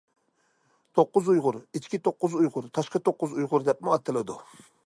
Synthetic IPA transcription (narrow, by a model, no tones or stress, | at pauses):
t̪ʰoqːʊzujʁʊɾit͡ʃkʲit̪ʰoqːʊzujʁʊɾt̪ʰɑʃqɑt̪ʰoqːʊzujʁʊɾd̪ɛp̚mɪɑt̪ʰːɨlɪd̪u